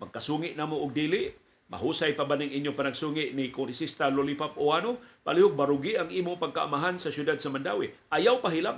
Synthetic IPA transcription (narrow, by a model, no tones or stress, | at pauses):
maɡ̚kasuŋɪʔnaːmoʔʊɡ̚diːlɪʔ | ma̰ɦusajpabanaŋʔiɲjopanaɡsuŋɪʔnɪkʊŋɾisist̪alolipap̚oanopa̰lihʊɡ̚baɾʊɡiʔaŋiːmʊŋpaɡ̚kaʔa̰maɦansasjʊdad̪̚samandawiʔajawpaɦilap